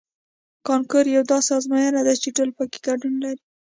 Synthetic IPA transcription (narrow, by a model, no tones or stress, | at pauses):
kɑnkʊɾjawd̪ɑsɑzmɑjanad̪ajt͡ʃeʈolpəke̥ɡaɖunlaɾi